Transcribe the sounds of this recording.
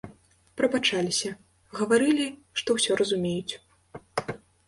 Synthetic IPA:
pɾɐbat͡ʂalʲisʲɐ | ɣɐvaɾɨlʲi | ʂt̪ɔwsʲɔɾɐzumʲejut͡sʲ

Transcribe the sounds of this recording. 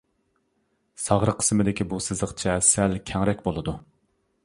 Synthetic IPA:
sɑʁɾəqʰːə̥smɨd̪ɪkʲibusɨzəχt͡ʃʰɛsælkʲʰɛŋɾɛkʲbolˠɨd̪u

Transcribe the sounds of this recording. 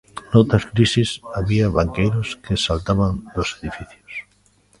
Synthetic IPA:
nowt̪ɾaskɾisisaβiaβaŋkejɾoskesalt̪aβand̪oseðifiθjos

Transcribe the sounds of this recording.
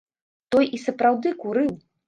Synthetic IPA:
t̪ɔjisɐpɾawd̪ɨkuɾɨw

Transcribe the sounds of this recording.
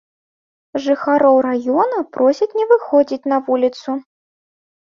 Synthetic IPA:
ʐɨxaɾɔwɾajɔnɐpɾɔsʲit͡sʲnʲɛvɨxɔd͡zʲit͡sʲnɐvulʲit̪su

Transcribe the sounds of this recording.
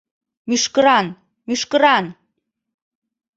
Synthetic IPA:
myʃkəɾɑn | myʃkəɾɑn

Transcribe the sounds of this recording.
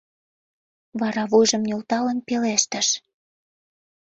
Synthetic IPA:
βɑɾɑβujʒə̆mnʲolt̪ɑlə̆npeleʃt̪ə̆ʃ

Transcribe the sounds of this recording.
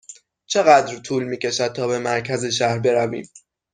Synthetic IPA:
t͡ʃʰe̞ɣæd̪ɾt̪ʰuːlmiːcʰe̞ʃæd̪̚t̪ʰɒːbe̞mæɾcʰæze̞ʃ̬æhɾbe̞ɾævḭːm

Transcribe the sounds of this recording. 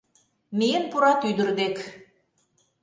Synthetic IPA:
mijenpuɾɑt̪yd̪ə̆rd̪ek

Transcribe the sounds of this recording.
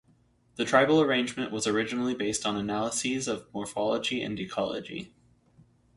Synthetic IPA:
ðɨtʰɹ̥aɪvl̩ˠə˞ẽɪ̃nd͡ʒmɨ̃nʔwʌzə˞ɪd͡ʒɨnl̩ˠibeɪstn̩ənælˠəsizʌvmɔɹfɑlˠəd͡ʒiʔɨ̰̃ndɨkʰɑ̰lˠə̰d͡ʒḭ

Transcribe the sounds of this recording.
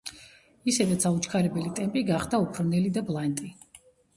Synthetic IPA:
isɛd̪at̪sʰaut͡ʃʰkʰaɾɛbɛlit̪ʼɛmpʼiɡaχd̪aupʰɾnɛlid̪ablˠant̪ʼi

